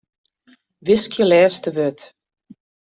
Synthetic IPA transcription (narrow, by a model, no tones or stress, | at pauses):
ʋɪskʰjəlɛːstəʋøt